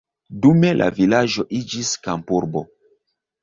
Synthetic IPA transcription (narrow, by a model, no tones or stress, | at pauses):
dume̞lʔa̰vilaʒo̞ʔid͡ʒiskampuɾbo̞